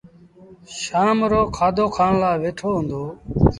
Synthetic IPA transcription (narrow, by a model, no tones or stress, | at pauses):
ʃaːmɾoːkʰaːd̪oːkʰaːɳlaːʋeːʈʰoːɦʊ̃nd̪oː